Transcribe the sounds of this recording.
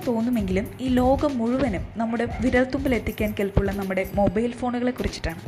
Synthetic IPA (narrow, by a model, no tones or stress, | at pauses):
t̪o̞ːnːume̞ŋɡilumiːlo̞ːɡɐmːuɻuʋɐnumnɐmːuɽe̞ʋiɾɐlt̪umbɐle̞t̪ːikʲːaːnkelpuɭːɐnɐmːuɽe̞mo̞bɐjlfo̞ːɳuɣɐɭe̞kːurit͡ɕːi̥ʈːaːɳɨ